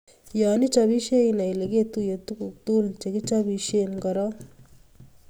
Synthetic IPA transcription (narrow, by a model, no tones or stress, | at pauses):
jaːnit͡ʃɐbiʃeinɐjleɡet̪ujet̪ukukt̪uːlt͡ʃekit͡ʃɐbiʃenkɐɾa